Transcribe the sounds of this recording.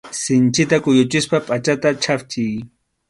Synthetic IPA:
sɪnt͡ʃɪt̪akʊjʊt͡ʃɪspapʼat͡ʃat̪at͡ʃʰapt͡ʃɪj

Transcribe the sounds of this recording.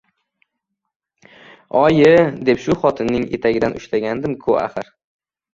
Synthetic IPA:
ɒjɪd̪e̞pʃʊχɒt̪ʰɪnːɪŋḛt̪ʰaɡʲɪd̪anʊ̰ʃlaɡʲand̪ɪmkʰʊa̰χɨɾ

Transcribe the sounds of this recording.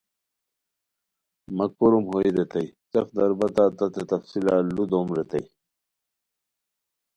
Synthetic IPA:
mɐkoɾumɦoiɾet̪ɐjt͡sɐfd̪ɐɾbɐt̪aːt̪ɐt̪et̪ɐfsilaːlud̪oːmɾet̪ɐj

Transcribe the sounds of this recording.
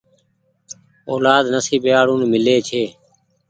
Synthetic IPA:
oːlaːd̪nəsiːbɪjaːɽũːnmɪleːt͡ʃʰeː

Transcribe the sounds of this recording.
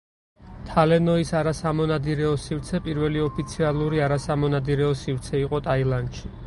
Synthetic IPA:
t̪ʰalɛnɔisaɾasamɔnad̪iɾɛɔsiɾt̪sʰɛpʼiɾvɛliɔpʰit̪sʰialˠuɾiaɾasamɔnad̪iɾɛɔsivɾt̪sʰɛiqʼɔt̪ʼailˠand̪ʃi

